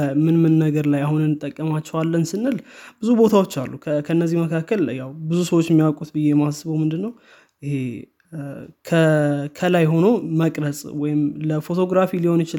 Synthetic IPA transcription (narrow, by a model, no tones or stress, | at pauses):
mɨnmɨnːəɡəɾlajahunɨnːɨt̪ʼːəkʼːəmat͡ʃːɛwalːənsɨnːɨlb̥ɨzubo̞t̪ʰawo̞t͡ʃːalːukʰkʰənːəzːihməkʰakːəljawbɨzusəwot͡ʃːɛmːijawkʼut̪bɨjːemahasːɨβəwmɨnd̪ɨnːəw | ɪhe | kʰəkʰəlajɦo̞no̞məkʼɾəsʼwɔjɪmləfo̞t̪ʰo̞ɡɾafiliho̞njɪt͡ʃɪ